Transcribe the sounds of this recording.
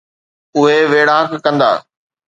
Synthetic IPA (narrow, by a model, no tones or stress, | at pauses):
ʊɦeʋeːɽaɦəkkɐ̃nd̪a̰ː